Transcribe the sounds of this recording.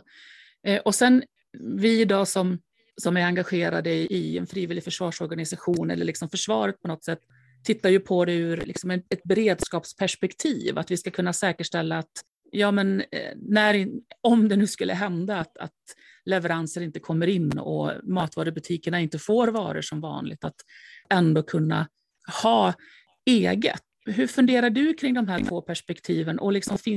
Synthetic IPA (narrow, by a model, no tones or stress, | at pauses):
ʔɔsɛn | vɪɪd̪ɑːsɔm | sɔmæɾaŋɡaɧeːɾa̰d̪əɪʔɪɛ̰nfɾiːvɪlːɪfœʂvɑːʂɔɾɡanɪsaɧuːnɛ̰lə̰ɭɪksɔmfœʂvɑːɾət̪̚pʰɔnɔt̪sɛt̪ʰː | ɪt̪ːajɵpʰɔd̪ɛʉ̟ɾlɪ̰ksɔmɛɛt̪̚bɛɾeːd̪skɑːpspʰæʂpɛkt̪ʰiːva̰t̪vɪskakʰɵnːasɛːkəʂʈɛlːaːt̪ | jɑːmɛnnæɾɔmd̪ɛnʉ̟ːskɵlːə̰ɦɛnd̪aːt̪a̰t̪ | lɛvɛɾansəɾɪnt̪əkʰɔmːəɾɪnːɔ̰mɑːt̪vɑːɾəbɵt̪ʰiːkəɳaɪnt̪əfoːɾvɑ̰ːɾə̰ʂɔmvɑ̰ːnlɪ̰ɡ̚t̪at̪ɛnd̪oːkʰɵnːa̰ | hɑː | eːɡə̰t̪ | ɦɵɾfɵnd̪eːɾaɖɵkʰɾɪŋd̪ɔmɦæːʈʰvoːpʰæʂpɛkt̪ʰiːvənʔɔ̰lɪksɔmfɪ